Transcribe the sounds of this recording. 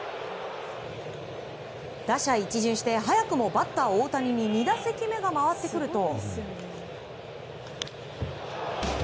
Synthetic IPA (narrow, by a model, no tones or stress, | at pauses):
d̪̥aɕait͡ɕiʑɨ̃ɰ̃ɕi̥t̪e̞ɦajakɯ̟mo̞bat̪ːaoːt̪aɲ̟iɲ̟iɲʲid̪asekʲime̞ɡamaβat̪ːe̞kɯ̟ɾɯ̟t̪o̞